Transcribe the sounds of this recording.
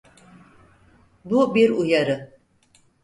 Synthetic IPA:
bubiɾujaɾɯ

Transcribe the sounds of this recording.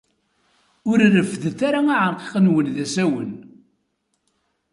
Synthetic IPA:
ʊɾrəfːðθaɾaaʕəɾqe̥qənwənðæsæwən

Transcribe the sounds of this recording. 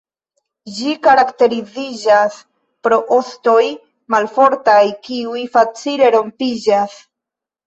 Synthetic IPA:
d͡ʒikaɾakte̞ɾizid͡ʒas | pɾo̞ʔosto̞j | malfo̞ɾtajkiujfat͡sile̞ɾo̞mpid͡ʒas

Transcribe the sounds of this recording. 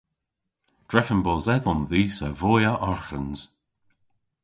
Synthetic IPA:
d̥ɹɛfənbɔːzɛðɔnðiːsəvoːjəʔɔɹxənz̥

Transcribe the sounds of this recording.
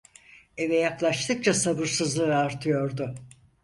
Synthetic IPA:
evɛjaklˠaʃt̪ʰɯk̚t͡ʃʰasabɯɾsɯzlˠɯɯaɾt̪ʰɯjo̞ɾd̪ʊ

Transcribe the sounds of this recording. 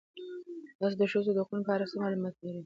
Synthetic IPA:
d̪̥ɑs̬d̪əʃəzod̪əq̪unləpɑɾasəmɑlumɑt̪laɾi

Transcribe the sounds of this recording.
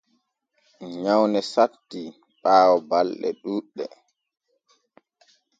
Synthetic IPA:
ɲawnɛsatːi | ɓaːwɔbalɗɛ̰ɗuːɗːɛ̰

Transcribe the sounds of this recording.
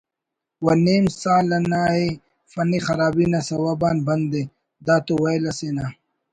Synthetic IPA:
wɐneːmsaːlɐnaːe | fɐnixɐɾaːbiːnɐsɐwabaːnbɐnd̪e | d̪aːt̪owɐjlɐsena

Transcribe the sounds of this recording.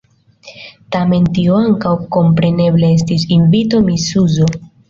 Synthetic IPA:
tame̞ntioaŋkawko̞mpɾe̞ne̞ble̞es̬tisiɱvito̞misuzo

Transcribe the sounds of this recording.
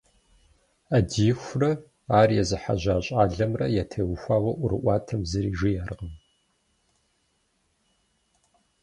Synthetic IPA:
adiːxʷrɐ | aːrjɛzɨħa̰ʑaːɕʼaːɮɐmrɐ̰jɛtʰeːwʊxʷaːwɐʔʷʊɾɨ̰ʔʷɑːtʰɐmzɨɾiːʒɪjaːrʁəm

